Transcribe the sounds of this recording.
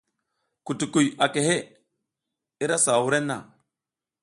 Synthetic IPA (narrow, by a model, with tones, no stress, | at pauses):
ku˨tu˨ku˨ja˨ke˨ɦe˦ | i˦ɾa˦sa˨wu˦ɾe˦nːa̰˨